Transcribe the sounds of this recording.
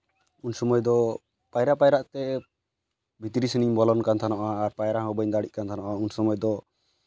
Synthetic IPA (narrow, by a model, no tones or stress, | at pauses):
unsɔmɔjd̪ɔ | pajɾaʔpajɾaʔt̪ɛ | bʱit̪ɾisiniɲbɔlɔnkant̪ʰanɔʔaːɾpajɾaɦɔbəɲd̪aɽic̚kant̪ʰanɔʔaunsɔmɔjd̪ɔ